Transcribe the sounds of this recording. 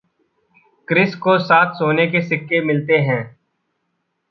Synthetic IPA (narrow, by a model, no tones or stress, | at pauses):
kɾɪskosaːt̪ʰsoːnekesɪkːemɪlt̪eɦɛ̃ː